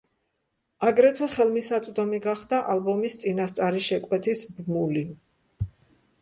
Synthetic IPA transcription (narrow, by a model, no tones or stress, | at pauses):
aɡɾɛt̪ʰwɛχɛlˠmisat̪sʼd̪ɔmiɡaχd̪aʔalˠbɔmist̪sʼinast̪sʼaɾiʃɛkʼwɛt̪ʰisbmuli